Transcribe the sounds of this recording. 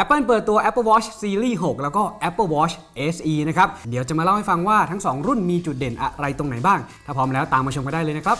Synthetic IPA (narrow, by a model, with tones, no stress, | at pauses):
ʔɛ˦˥pːɤː˥˩npɤː˨˩t̪ːu˧ɐʔɛ˦˥pːəː˥˩wɔː˦˥t͡ɕ̚ʰsiː˧ɾiː˥˩ɦo˨˩k̚lɛː˦˥wkɔː˥˩ʔɛ˦˥pːəː˥˩wɔː˦˥t͡ɕʰ | ʔeː˦˥sʔiː˧na˦˥kʰɾa˦˥p̚di˨˦wt͡ɕa˨˩ʔmaː˧la˥˩wha˥˩jfa˧ŋwaː˥˩t̪ʰa˦˥ŋsɔː˩˦ŋɾu˥˩nmiː˧t͡ɕu˨˩t̪̚de˨˩˦nʔa˨˧ɾa˧jt̪o˧ŋna˩˦jbaː˥˩ŋt̪ʰaː˥˩ɔː˦˥mlɛː˦˥wt̪aː˨˧mːaː˧t͡ɕʰo˧mka˧da˥˩lɤː˧na˦˥kʰɾa˦˥p̚